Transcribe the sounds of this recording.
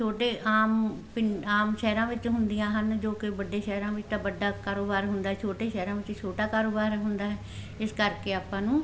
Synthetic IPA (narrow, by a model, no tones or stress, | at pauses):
t͡ʃʰoːʈeːʔaːmpɪaːmʃɛːɾãːʋɪt͡ʃɦʊnd̪ijãːɦənd͡ʒoːkɪbəɖeːʃɛːɾãːʋɪt͡ʃt̪ãːbəɖaːkaːɾoːbaːɾɦʊnd̪aːɦɛt͡ʃʰoːʈeːʃɛːɾãːʋɪt͡ʃt͡ʃʰoːʈaːkaːɾoːbaːɾɦʊnd̪aːɦɛː | ɪskəɾkeːaːpãːnũː